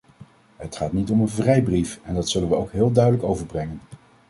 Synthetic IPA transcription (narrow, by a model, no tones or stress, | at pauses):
ɦətχaːtnitɔmənvrɛjbrifɛndɑtsɵlənʋəowkɦɪːlˠdœɥdələkowvəɹbrɛŋən